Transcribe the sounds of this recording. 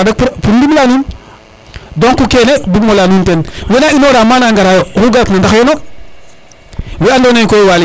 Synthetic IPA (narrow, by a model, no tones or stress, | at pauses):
dak̚ppuɾdiblanun | doŋkukenedubmolanuntenwenainoɾamanaŋɡaɾajokuɡaɾknandaxjono | weandonejkojwali